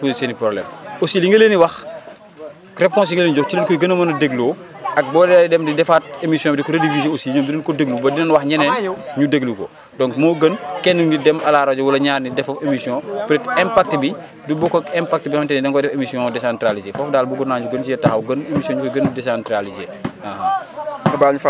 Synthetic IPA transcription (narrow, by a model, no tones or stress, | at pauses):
pozisenipɾɔblɛ̰mosiliŋɡeleːniwɐx | kɾɛp̚kɔ̃ns̬iŋɡeleːnid͡ʒɔfcilɐnkɔɡɐnɐmɐnɐdeɡluː | ɐk̚bɔːdɛdɛmdidɛfaːt̚emisjɔ̃bidikɔɾedivizeosilɲɐːmdinɐnkɔdeɡlubɐdinɐnwɐxɲɐnɛnɲudeɡlukɔ̰ | dɔ̃ŋkmɔːɡənkɛnːudidɛmɐlaːɾɐd͡ʒɔwɐlɐɲaːrnidɛfɐfemisjɔ̃pɾɛtɛmpak̚tbi | dubɔkɔkɛmpak̚tbixɐntɛnɛdɛŋkɔdɛfemisjɔ̃dɛsãntɾalizefɔfdaːlbuɡunaːɲuɡɐnt͡ʃijɛtaxɐwɡɐnemisjɔ̃ɲukɔjɡɐndɛsantɾalizeːahɐɐbaːlɲuf